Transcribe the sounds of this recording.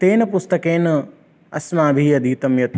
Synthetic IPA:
t̪eːnɐpʊst̪ɐkeːn | ɐsmaːbʱiːɐd̪ʱiːt̪ɐmjɐt̪

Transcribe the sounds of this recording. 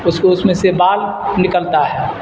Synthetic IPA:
ʊskoʊsmẽsebaːl | nɪkəlt̪aɦɛː

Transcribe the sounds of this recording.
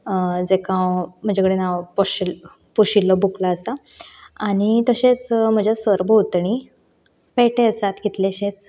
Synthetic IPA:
d͡zekãwm̤əd͡ʑakəɽenaʋpɔɕil | puɕilːɔbuklaːsa | aɽ̃it̪əɕet͡sm̤əd͡ʑasʋəɾbʱowt̪ɳi | peʈeəsat̪kit̪leɕet͡s

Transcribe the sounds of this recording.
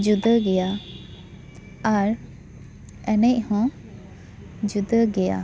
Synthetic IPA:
d͡ʒud̪əɡɛja | aɾ | ɛnɛʔ̚hɔ̃ | d͡ʒud̪əɡɛja̰

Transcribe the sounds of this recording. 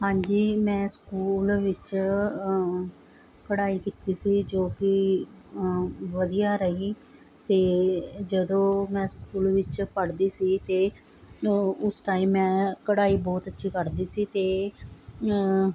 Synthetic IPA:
ɦãːɲd͡ʒiːmɛ̃ːskuːlʋɪt͡ʃ | kəɽaːiːkiːt̪iːsiːd͡ʒoːkɪ | ʋəd̪ijaːɾəɦiː | t̪eːd͡ʒəd̪õːmɛ̃ːskuːlʋɪt͡ʃpəɽd̪iːsiːt̪eː | ʊsʈaːĩːɛ̃ːkəɽaːiːbɔːt̪ətːʃʰiːkəɾd̪iːsiːt̪eː

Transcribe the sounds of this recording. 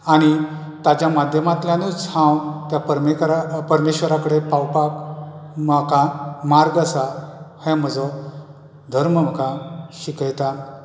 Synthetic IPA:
aɽ̃i | t̪ad͡ʑjamad̪ʱjəmat̪ljãnut͡sãwt̪japəɾmeɾapəɾmeɕʋəɾakəɽepawpakməkamaɾɡasahɛ̃m̤əd͡zɔ | d̪ʱəɾməm̤əkãɕikəjt̪a

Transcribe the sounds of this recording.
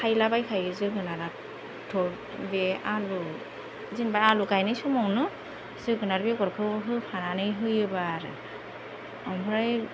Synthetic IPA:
kʰajlabajkʰajɯzɯɡɯnaɾa | tʰɔ | bɛalu | zinbajaluɡajnɯjsɔmɔwnɯ | zɯɡɯnaɾbɛɡɔɾkʰɯwɦɯpʰananɯjɦɯjɯbaɾɯ̰ | ɔmbɾaj

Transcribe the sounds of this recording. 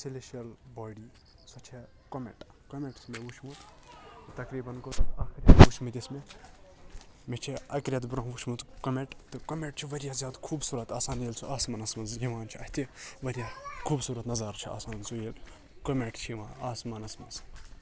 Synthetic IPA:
sileʃɐlbaːɖiː | sɐt͡ʃʰe | kɐmḛʈkomeʈsmeʋut͡ʃʰmut̪t̪ɐkɾiːbɐnkot̪aːxiɾʲɐt̪ʋut͡ʃʰmut̪ʲisme | met͡ʃʰiɐkɾʲjɐt̪bɾɐ̃ɦʋut͡ʃʰmut̪komeʈt̪ɨkɐmeʈ̚t͡ʃʰiʋɐɾʲjaːzjaːd̪kʰuːbsuːɾɐt̪aːsaːniːlt͡sʰuʔaːsmɐnɐsmɐziʋaːnt͡ʃʰiɐht̪iʋɐɾijakʰuːbsuːɾɐt̪nɐzɐɾt͡ʃʰia̰ːsaːnt͡sʰujel | komeʈt͡ʃʰiʋãːaːsmɐnɐsmɐz

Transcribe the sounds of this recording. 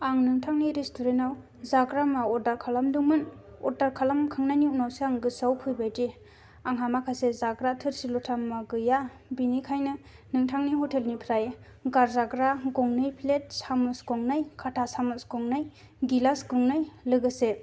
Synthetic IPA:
aŋnɯŋtʰaŋniɾestʰoɾentaw | zaɡɾamaɔdaɾkʰalamduŋmɯn | ɔdaɾkʰalamkʰɯŋnaniunawseaŋɡɯsawkʰɯjbajdi | aŋɦamakʰasezaɡɾatʰɯɾsilɔtʰamːaɡɯja | binikʰajnɯ | nɯŋtʰaŋniɦɔtʰelnipʰɾaje | ɡaɾzaɡɾaɡɔŋnɯjpʰlet̚samusɡɔŋnajkʰatʰasamusɡɔŋnɯj | ɡilasɡɔŋnɯjlɯɡɯse

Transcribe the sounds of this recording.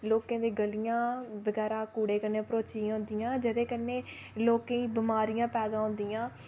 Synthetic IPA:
loːkãːd̪eːɡəlijãːbəɡɛːɾãːkuːɽeːkənepəɾoːt͡ʃiãːʊ̃nd̪ijãːd͡ʒəd̪eːkənːeː | loːkẽːiːbɪmaːɾijãːpɛːd̪ãːɦʊ̃nd̪ijãː

